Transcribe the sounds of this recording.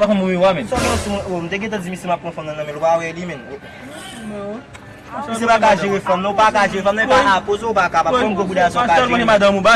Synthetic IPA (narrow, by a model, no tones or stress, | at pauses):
pakɔ̃mũwĩwamɛ̃nsɔksũom̩t̪eɡẽt̬ãd͡zimĩsemapːɔ̃fɔ̃mnɐ̃nɐ̃mɛ̃lupawɛlimɛ̃n | is̬emakaʒewefãmnɐ̃upakaʒeɣefãmñpaʔakozoopakapãɔ̃m̩ɡoɡudasɔ̃kalɔ̃nemad̪ɐ̃mũba